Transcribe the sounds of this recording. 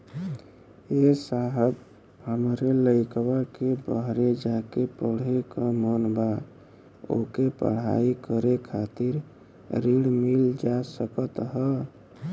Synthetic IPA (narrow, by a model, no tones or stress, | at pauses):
esaɦəb | ɦəmɾeləɪkwakebəɦɾed͡ʒakepəɽ̤ekəmənba | o̰kepə̰ɽ̤a̰ikəɾekʰat̪iɾ | ɾiɽmild͡ʒasəkət̪ɦə